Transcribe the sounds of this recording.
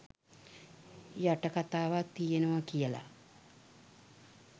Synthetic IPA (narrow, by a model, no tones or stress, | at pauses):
jaʈəkat̪aːʋat̪ːijenəʋakijəla̰